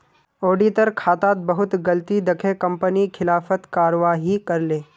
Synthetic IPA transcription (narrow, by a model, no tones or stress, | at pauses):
oːɖiːt̪əɾkʰaːt̪aːt̪̚bɐɦʊt̪ɡɐlt̪id̪ɐkʰekɐ̃mpənikʰɪlaːfət̪kaːɾʋaːɦikɐɾleː